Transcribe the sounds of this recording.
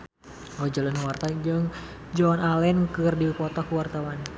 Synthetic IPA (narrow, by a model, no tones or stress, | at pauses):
ɔd͡ʒalənwart̪ad͡ʒəŋ | d͡ʒɔnalɛnkɨrdikɔt̪akuwart̪awan